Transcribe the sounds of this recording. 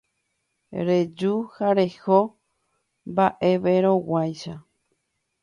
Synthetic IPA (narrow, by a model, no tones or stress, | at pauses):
ɾed͡ʒuhaɾeho | mbaʔe̞ʋeɾõwajʃa